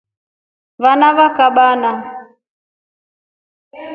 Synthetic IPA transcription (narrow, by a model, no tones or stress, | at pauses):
vanaβakaɓana